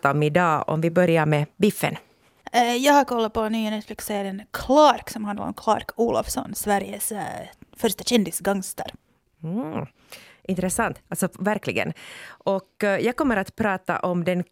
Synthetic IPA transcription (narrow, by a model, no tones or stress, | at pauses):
aɔmɪd̪ɑːɔ̰mvɪbœɾjaɾmɛbɪfːə̰n | jɑːɡhaɾkʰɔlːapɔnyːənɛt̪flɪkseːɾənkʰlɑɾksɔmhand̪l̰ɾɔ̰mkʰlɑ̰ːɾkʰuːla̰fsɔ̰nsvæɾjəsfœɾʂʈaɕɛnd̪ɪsɡɑŋst̪ə̰ɾ | ʔɪnt̪ɾɛsant̪alt̪sɔvæɾklɪɡə̰nʔɔkjɑːɡ̚kɔmːəɾat̪pʰɾɑːt̪a̰ʔɔmd̪ɛn